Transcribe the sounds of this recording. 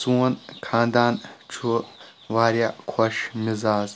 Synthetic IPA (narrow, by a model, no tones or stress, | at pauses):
suɔnkʰãːnd̪aːnt͡ʃʰu | ʋaːɾjakʰɔʃmizaːz